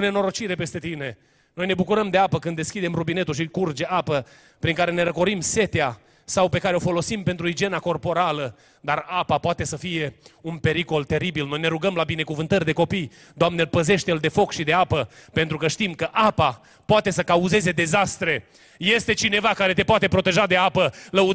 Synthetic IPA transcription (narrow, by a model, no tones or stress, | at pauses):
ne̞no̞ɾo̞t͡ʃiɾe̞pe̞st̪e̞t̪ine̞ | no̞jne̞bukuɾəmd̪e̞apəkɨnd̪ːeskʲid̪e̞mrubine̞t̪ulʃ̬ikurd͡ʒe̞ʔapə | pɾiŋkaɾe̞ne̞ɾəko̞ɾimse̞t̪ea | sawpe̞kaɾeo̞fo̞lo̞simpe̞nt̪ɾuid͡ʒie̞nako̞rpo̞ɾalə | d̪arapapoat̪e̞səfije̞unpe̞ɾiko̞lt̪e̞ɾibilno̞jne̞ɾuɡəmlabinekuvɨnt̪ərʲd̪e̞ko̞pij | d̪oamnelpəze̞ʃt̪eld̪e̞fo̞kʃid̪e̞apəpe̞nt̪ɾukəʃt̪imkəʔapa | poat̪e̞səkauze̞ze̞d̪e̞zast̪ɾe̞ | je̞st̪e̞t͡ʃine̞vakaɾe̞t̪e̞poat̪e̞pɾo̞t̪e̞ʒad̪e̞apələu